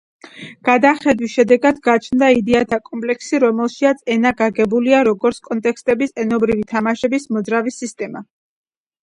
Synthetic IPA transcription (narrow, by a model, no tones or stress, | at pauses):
ɡ̥ad̪aχɛd̪wisʃɛd̪ɛɡad̪ɡat͡ʃʰnd̪aid̪ɛat̪ʰakʼɔmpʼlɛkʰsiɾɔmɛlˠʃiat̪sʰɛnaɡaɡɛbuliaɾɔɡɔɾt̪skʼɔnt̪ʼɛkst̪ʼɛbisɛnɔbɾivit̪ʰamaʃɛbismɔd̪zɾavisist̪ʼɛma